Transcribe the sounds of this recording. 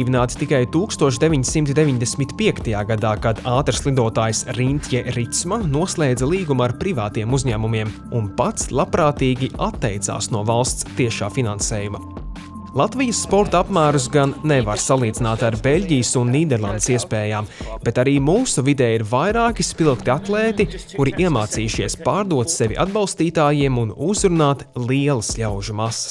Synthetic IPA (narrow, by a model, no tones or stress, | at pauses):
ivʲinaːt̪i̥t̪ikajt̪uːkst̪uɔʃd̪evʲiɲsimt̪d̪eviɲd̪esʲmit̪piɛkt̪ajaːɡad̪aːkad̪aːt̪ɾslˠid̪uɔt̪aːjsɾint̪ʲjɛɾit̪smannuɔslˠeːd̪zɐlˠiːɡumaɾpɾivaːt̪ijɛmuzʲɲæːmumiɛm | unpat̪slˠapɾaːt̪iːɡʲiʔat̪ːɛjt̪sa̰ːsnuɔvalˠst̪st̪iɛʃaːfinansɛːjuma | lˠat̪vijəsːpɔɾt̪apmæːɾus̬ɡanːevaɾsalˠiːd̪zinaːt̪aɾbelʲɟʲijəsunːiːd̪ɛɾlˠand̪əsiɛspɛːjaːmb̥et̪aɾiːmuːsuvid̪ɛːiɾvajɾaːkispilˠkt̪iat̪lˠɛːt̪ikuɾiʔiɛmaːt̪siːʃiɛspaːɾd̪uɔt̪sevʲḭʔa̰d̪bɑlˠst̪iːt̪aːjiɛmunuzɾunaːt̪lˠiɛlˠɐsʎʲawʒumasɐ̥s